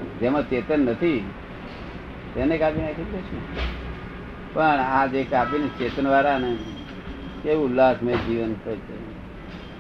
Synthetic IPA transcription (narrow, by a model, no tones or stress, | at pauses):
d͡ʒemãt͡ʃet̪ənːət̪ʰi | t̪enekapinakʰik̪ɾet͡ʃʰũ | pəɳad͡ʒekapinit͡ʃet̪ənʋaɾane | keʋũlasmed͡ʒiʋənɔjt͡ʃʰe